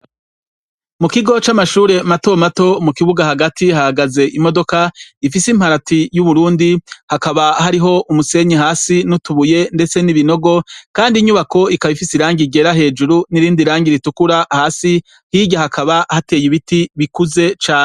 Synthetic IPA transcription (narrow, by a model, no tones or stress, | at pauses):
mukiɡo̞t͡ʃamaʃuːɾe̞mato̞mato̞mukiβuɡahaɡatʰihahaɡaze̞ʔimo̞do̞kaifisim̥haɾatʰijuβuɾuːndihakaβahaɾiɦo̞ʔumuse̞ɲiɦaːsinutuβuje̞nde̞t͡se̞niβino̞ɡo̞kaːndiɲuβako̞ikaβifisiɾaːŋɟiɡe̞ɾaɦe̞ːd͡ʒuɾuniɾiːndiɾaːŋɡiɾitukuɾahaːsi | hiːɟahakʰaβahate̞ːjiβitiβikuze̞t͡ʃaːne